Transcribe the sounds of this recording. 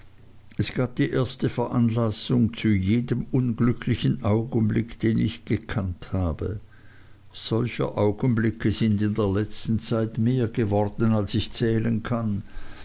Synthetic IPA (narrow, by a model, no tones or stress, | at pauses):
ʔɛsɡ̥aːb̚d̥iːʔeːɐstəfɛɐʔanlasʊŋt͡sujeːdəmʊnɡlʏkʰlɪçən̩ʔaʊɡən̩blɪkd̥eːnɪ̰çɡ̥əkʰanthaːbə̰ | z̥ɔlçə̰ʔaʊɡ̥ən̩blɪkʰəzɪndɪndeːɐlɛt͡stn̩t͡saɪtmeːɐɡəvɔʁd̥n̩alsɪçt͡sɛːlənkʰan